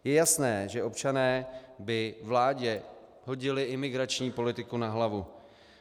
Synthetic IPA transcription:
jɛjasnɛːʒɛʔo̞pt͡ʃanɛːbɪvlaːɟɛ | ɦo̞ɟɪlɪʔɪmɪɡɾat͡ʃɲiːpo̞lɪt̪ɪkunaɦlavu

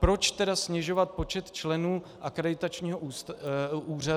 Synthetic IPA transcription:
pɾo̞t͡ʃt̪ɛdasɲɛʒo̞vat̪̚po̞t͡ʃɛt̪t͡ʃlɛnuː | ʔakɾɛdɪt̪at͡ʃɲiːɦo | uːra

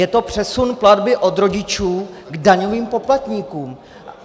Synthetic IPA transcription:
jɛt̪o̞pr̝̥ɛsunpladbɪʔo̞d̪ɾo̞ɟɪt͡ʃuːɡdaɲo̞viːmpo̞plat̪ɲiːkuːm

